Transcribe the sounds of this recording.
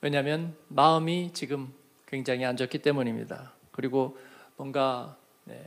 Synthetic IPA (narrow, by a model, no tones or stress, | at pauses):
we̞ɲamjʌnmaɯmit͡ɕiɡɯm | kwe̞ŋd͡ʑaŋɦiand͡ʑʌk͈ʰit͈e̞muɲimɲḭda | kɯɾiɡomwʌnɡa | ne̞̰